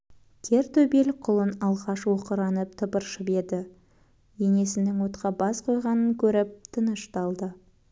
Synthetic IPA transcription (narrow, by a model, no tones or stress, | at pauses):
kʲʰe̞ɾt̪ʰɵbelqʰʊlˠənɑlˠʁɑʃwoqəɾɑnəp̚t̪ʰəpəɾʃəbe̞d̪ɪ | je̞ŋe̞sɪnɪŋwot̪qʰɑbɑsqʰo̞jʁɑnəŋkʲʰɵɾɪp̚t̪ʰənəʃt̪ɑlˠd̪ə